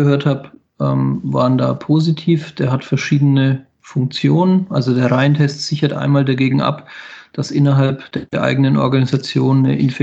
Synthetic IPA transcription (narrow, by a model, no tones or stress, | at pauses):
əɦøːɐthaːp | ʔɛːmva̰ːɐʁənda̰ːpʰozitʰiːfd̥eːɐɦhatfɛɐʃiːdənə | fʊŋk̚t͡sjoːnənʔalzodeːɐʁaɪntʰɛstz̥ɪçɐtʔa̰ɪnmaːldaɡeːɡŋ̩ʔa̰pd̥asʔɪnɐɦalpd̥eɐʔa̰ɪɡənənʔɔ̰ɐɡanizat͡sjoːnnə̰ʔɪ̰nfɛ